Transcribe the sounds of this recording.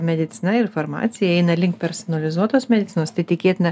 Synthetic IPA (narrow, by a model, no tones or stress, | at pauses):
mʲɛd̪ʲɪt̪sʲɪnɐɪɾfoːɾmɑ̰ːt̪sʲɪjɛɛɪnɐlʲɪŋkpʲɛɾsɔnɐlʲɪzuɔt̪oːsmʲɛd̪ʲɪt̪sʲɪnoːst̪ɐɪt̪ʲɪkʲeːt̪ʲɪnɐ